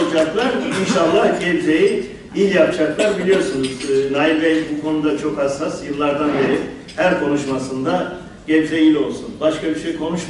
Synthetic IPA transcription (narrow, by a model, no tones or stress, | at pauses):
d͡ʒaklˠaɾinʃalˠːahɟebzeji | ilʲjapd͡ʒaklˠaɾbilʲijo̞ɾsunuznajvɛjbukʰo̞nud̪at͡ʃʰo̞kasasjɯlˠːaɾd̪anbeɾi | hæɾkʰo̞nuʃmasɯnd̪a | ɟebzejilʲo̞lˠsunbaʃkabiɾʃejkʰo̞nuʃ